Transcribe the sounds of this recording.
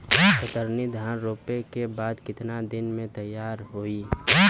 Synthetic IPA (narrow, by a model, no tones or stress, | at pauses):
kət̪əɾnid̪ʱaːnɾoːpekebaːd̪kɪt̪nad̪ɪnmẽt̪ɐjːaːɾɦoi